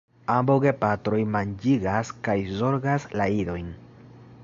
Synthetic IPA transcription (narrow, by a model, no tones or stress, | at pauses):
ambowɡe̞patɾo̞jmand͡ʒiɡaskajzo̞ɾɡaslaiɾo̞jn